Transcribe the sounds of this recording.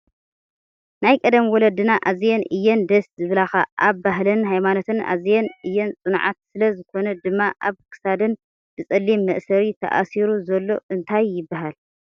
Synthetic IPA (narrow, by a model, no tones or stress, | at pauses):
najkʼɐd̪ɐmiwɔlɐd̪ɨnaʔazjɛnɨjːɛnd̪ɐszɨβɨlaxaʔaβbaɦlɐnɦajmano̞t̪ʰɨnʔa̰zjɛnʔɨjːɛnt͡sʼɨnʕa̰t̪̚sɨlɐzɨkʰo̞nɐd̪ɨmːaʔa̰βkʰɨ̥sad̪ɨn | b̥ɨt͡sʼɐlːimːɐʔsɐɾit̪ʰɐ̰ʔa̰siɾuzɐlːo̞ʔɨnt̪ʰajːɪbːaɦal